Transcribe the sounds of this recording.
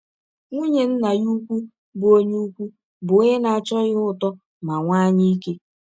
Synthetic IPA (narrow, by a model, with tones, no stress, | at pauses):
ŋʷu˦ɲe˨n̩˦na˨ju˦kʷu˦ | bʊ˨o˦ɲu˦u˦kʷu˦ | bʊ˨˦e˦na˨a˨t͡ʃɔ˦ɣɪ˦ʊ˦tɔ˦ | ma˨ŋʷaː˦ɲi˦i˦ke˦